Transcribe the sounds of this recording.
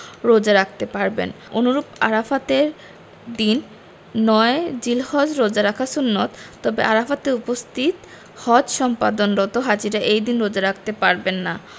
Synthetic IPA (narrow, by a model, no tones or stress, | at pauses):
ɾod͡ʑaɾakʰt̪epaɾbḛn | onuɾupa̰ɾafat̪eɾ | d̪inː | ɔed͡ʑilhɔd͡ʑɾod͡ʑaɾakʰasunːot̪ːɔbeʔaɾafat̪eupost̪ʰit̪ | hɔd͡ʑʃɔmpad̪onɾɔt̪oɦad͡ʑiɾaʔejd̪inɾod͡ʑaɾak̚ʰt̪epaɾbenːa